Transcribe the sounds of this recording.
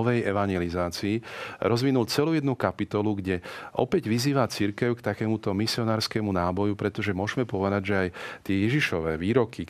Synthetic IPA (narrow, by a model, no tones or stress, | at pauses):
ɔʋɛjɛʋaɲjɛlizaːt͡siːɾɔzʋinult͡sɛlujɛd̪nukapit̪ɔluɡɟɛʔɔ̰pɛɟʋiziːʋat͡siɾkɛʊkt̪akɛːmut̪ɔmisiɔnaːɾskɛːmunaːbɔjupɾɛt̪ɔʒɛmʊɔʒmɛpɔʋɛd̪aɟʒɛajt̪ɪɛjɛʒiʃɔʋɛːʋiːɾɔkʰi